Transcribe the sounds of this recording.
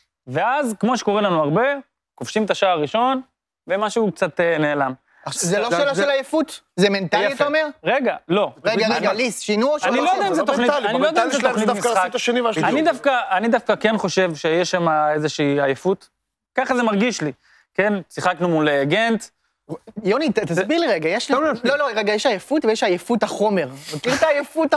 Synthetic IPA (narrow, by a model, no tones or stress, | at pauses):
ve̞azkmo̞ʃe̥ko̞ʁelanuaʁbe̞ | ko̞fʃimet̪aʃaːaʁiʃo̞n | vemaʃuuk̚t͡sat̪ene̞ːlam | zeloʃeːlaelajefut̪ | zement̪aljitaomeʁʁeɡalo̞eɡaɡalisʃinuʃanilojoddɛaizet̪oχnianiilojod̪ɛaizeonitd̪miχat̪aʃenivaanid̪afkaːnid̪afkakenχo̞ʃe̞vʃejeʃamaezeʃiːajefut̪ | kaχazemaʁɡiʃli | kensiχaknumuleɡent̪ | jonitt̪asbiʁliʁeɡajeʃloloʁeɡajeʃajefut̪vejɛʃajefut̪aχo̞me̞ʁmokiʁt̪aːjefut̪